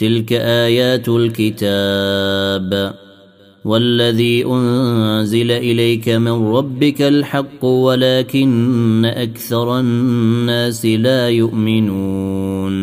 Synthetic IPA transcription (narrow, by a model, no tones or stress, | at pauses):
t̪ɪlkaʔaːjaːt̪lkɪt̪a | b | walːaðiːʔʊnzɪlaʔɪlajkamɪnɾˤɑbːɪkalħɑqːwalaːkɪnːaʔakθɑɾˤɑː | aːsɪlaːjʊʔmɪnuːn